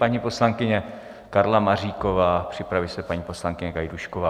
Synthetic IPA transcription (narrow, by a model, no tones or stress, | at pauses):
paɲipo̞slaŋkɪɲɛ | kaɾlamariːkovaːpr̝̥ɪpɾavɪsɛpaɲiːpo̞slaŋkɪɲɛkajduʃkovaː